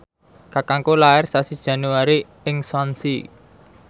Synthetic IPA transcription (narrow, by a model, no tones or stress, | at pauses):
kakaŋkolaɪrsasid̥ʒ̥ä̤nuaɾi | ɪŋswansi